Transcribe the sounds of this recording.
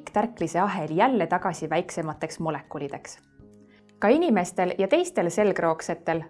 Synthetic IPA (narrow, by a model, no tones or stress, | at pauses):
kːt̪ærklise̞ɑɦe̞ljælːet̪ɑɡ̥ɑsʲivæjkse̞mɑt̪ːˑe̞ksmo̞le̞kːˑulid̪̥e̞ks | kɑinime̞st̪e̞ljɑt̪e̞jst̪e̞lse̞lkro̞ːkse̞t̪ːˑe̞l